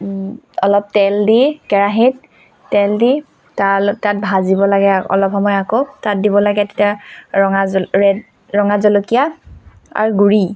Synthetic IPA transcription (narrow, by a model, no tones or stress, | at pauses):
ɔlɔp̚tɛldikɛɹaɦit | tɛldi | taltat̚bʱazibɔlaɡɛɔ̰lɔpxɔmɔjakotat̚dibɔlaɡɛtetiaɔŋaɹɛ | ɹɔŋazɔlokija | a̰ɹuɡuɹi